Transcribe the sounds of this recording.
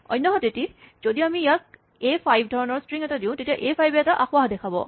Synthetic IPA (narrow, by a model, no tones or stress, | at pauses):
ɔ̰jnːɔɦɔtetizodiamijak̚ | epʰajbʱdʱɔɹɔnɔɹstɹiŋɛtadĩʊ̃tetijaʔepʰajbɛataʔaxwaɦdɛkʰabɔ̰